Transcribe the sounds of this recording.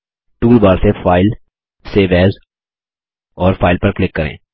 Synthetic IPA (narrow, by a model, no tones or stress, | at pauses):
ʈuːlbaːɾsefʰaːɪl | seʋɛːz | ɔːɾfʰaːɪlpəɾklɪkːəɾḛ̃ː